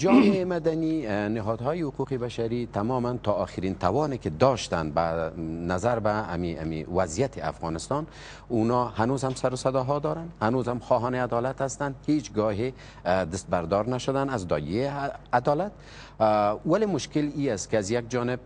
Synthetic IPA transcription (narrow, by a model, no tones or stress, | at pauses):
d͡ʒɒmeemad̪aninɪɦɔd̪ɦɔːjihʊquqibaʃaɾit̪ʰamɒmant̪ʰɒːxɪɾint̪ʰawɒneked̪ɔʃt̪anbanazaɾbaa̰mia̰mḭwazijat̪ʰea̰fɣɔnɪst̪ɔn | unɔhanozhamsaɾʊsad̪ɒɦɔd̪ɒɾanhanozhamxɔɦɔnead̪ɒlat̪hast̪and̪het͡ʃɡɔɦe | d̪ɪst̪̚baɾd̪ɒɾnaʃʊd̪anazd̪ɔ̰jead̪ɒlat̪̚ | walemʊʃkɪliast̪keazjaɡ̚d͡ʒɒnɪb̚